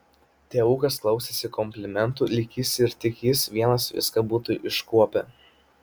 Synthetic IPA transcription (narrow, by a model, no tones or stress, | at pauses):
t̪ʲeːʋuːkɐsklˠɒʊsʲesʲɪkɔmʲpʲlʲɪmʲɛnt̪uːˑlʲɪkʲiːsʲɪɾt̪ʲɪkʲiːsʋʲiɛnɐsʋʲɪ̰skɐbuːt̪ʊʔɪʃkuɔpʲɛ